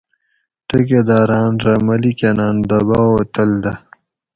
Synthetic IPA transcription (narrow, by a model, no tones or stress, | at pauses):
t̪ɐked̪aːɾaːnɾɐmɐlikenaːnd̪ɐbaːot̪ɐld̪ɐ